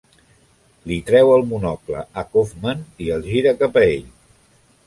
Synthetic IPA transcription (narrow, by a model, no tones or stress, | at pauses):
lit̪ɾɛwəlˠmunɔklə̰əkofməniəlˠʒiɾəkapəḛʎ